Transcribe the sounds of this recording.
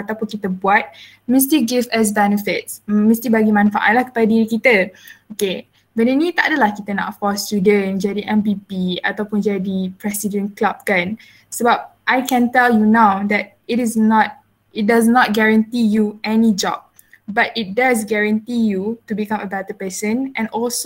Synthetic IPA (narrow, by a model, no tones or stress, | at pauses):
at̪awpunkit̪əbuat̚ | mĩs̬tiɡifəs̬bɛnəfɪt̚smĩst̪ibaɡimãnfa̰ʔa̰lahkə̥padadiɾikit̪əoke | vɛninĩt̪aʔadəlahkit̪əna̰ʔfɔst̪judə̃nd͡ʒadiʔɛ̃mpipia̰t̪awpʊnd͡ʒadipɹɛsidə̃nklab̚kãn | səbap̚ʔajkɛ̃nt̪ɛljunawd̪ɛt̚itɪsnɔt̚ | it̚dasnɔt̚ɡɛɹãnt̪ijuɛnid͡ʒɔ̰b̚ | batit̚das̬ɡɛɹãnt̪ijutubikãməbɛt̪əpəsə̃nʔɛ̃nɔlso